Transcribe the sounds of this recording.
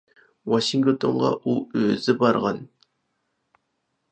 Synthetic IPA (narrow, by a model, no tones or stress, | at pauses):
wɑʃiŋt̪ot̪ʰonʁɑ̰ʔuøzɪbɑɾʁɑn